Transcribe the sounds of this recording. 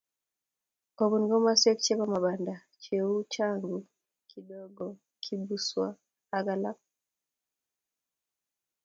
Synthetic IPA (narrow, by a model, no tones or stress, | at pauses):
ɔβunɡɔmasɔkt͡ʃɛβamaɓanda | t͡ʃɛut͡ʃaŋɡu | kʰiɗɔɡɔ | kʰibuswa̰ | aɡalap̚